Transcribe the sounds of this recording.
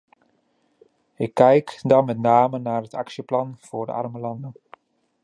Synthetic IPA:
ɪkʰːɛjkdɑnmɛtnaːmənaːrətɑksjəplɑnv̥ʊːɹdə̰ɑ̰rməlɑndən

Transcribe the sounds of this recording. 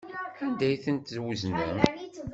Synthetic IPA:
ænd̪æjθənt̪zwznəm

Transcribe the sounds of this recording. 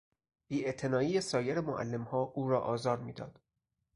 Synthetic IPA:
b̥iːet̪ʰe̞nɒːiːjesɒːjeɾemoʔæ̰lːe̞mhɒːʔuːɾɒːʔɒːzɒːɾmiːd̪ɒ̰ːd̪̥

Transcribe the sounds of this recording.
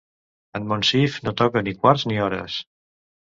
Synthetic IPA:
ənmonsifnot̪ɔkənikwaɾzniɔɾə̰s

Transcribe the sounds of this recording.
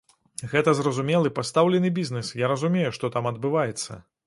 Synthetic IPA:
ɣɛt̪ɐzrɐzumʲɛlˠɨpast̪awlʲɛnɨbʲiznɛsjaɾɐzumʲejuʂt̪ɔt̪amɐd̪̚bɨvajɛt̪sːɐ̰

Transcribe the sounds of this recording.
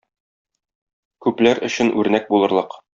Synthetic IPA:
kʉplæɾɵ̆ɕɘ̆nʔʉɾnæk̚bulˠɤ̆ɾlˠɤq

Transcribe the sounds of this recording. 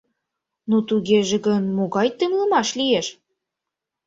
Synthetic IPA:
not̪uɣeʒĕɣənmoɣɑjt̪əŋləmɑʃlijeʃ

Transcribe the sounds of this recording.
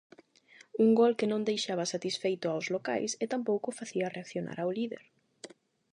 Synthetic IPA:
uŋɡɔlkɪnõnd̪ejʃaβ̞ɐsat̪isfejt̪ʊawzloka̰jsɛt̪ampowkʊfaθiɐreakθjona̰ɾawliðḛɾ

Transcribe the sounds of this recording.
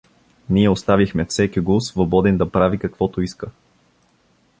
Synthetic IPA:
niɛʊst̪avixmɛfsɛkʲiɡusvobɔd̪ɛnd̪ɐpɾavikɐkvɔt̪oiskə

